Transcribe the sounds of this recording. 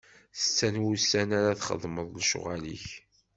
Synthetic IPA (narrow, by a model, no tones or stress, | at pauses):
θə̥t͡sːænwusːænaɾaθχə̰ðˤməðˤlʃʊ̰ʁælḭç